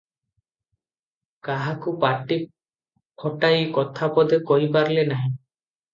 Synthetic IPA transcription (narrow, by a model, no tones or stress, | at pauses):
kaɦakupaʈːi | kʰɔʈajkɔt̪ʰapɔd̪ekɔɦjpaɾlenaɦĩ